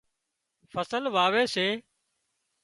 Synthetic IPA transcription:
fəsəlʋaːʋeːseː

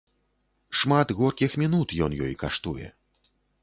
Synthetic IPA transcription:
ʂmat̪ɣɔrkʲixmʲinut̪jɔnjɔ̰jkaʂt̪ujɛ̰

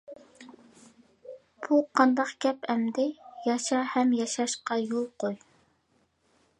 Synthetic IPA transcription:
b̥uqʰɑnd̪ɑqɡʲɛpɛmd̪ɪjɑʃɑhɛmjɑʃɑʃqɑjolˠqoj

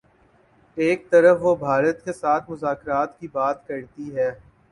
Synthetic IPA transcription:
eːk̚t̪ɐɾəfʋobʱaːɾət̪kesaːt̪ʰmʊzaːkɾaːt̪kibaːt̪kɐɾt̪iɦɛː

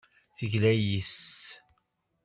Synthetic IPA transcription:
θəʝlæjis

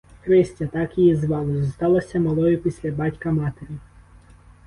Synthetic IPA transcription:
kɾɪsʲtʲɐt̪ɑkijizʋɑlˠɔzɔst̪ɑlˠɐsʲɐmɐlˠɔjʊpʲisʲlʲɐbɑtʲkɐmɑt̪eɾʲi

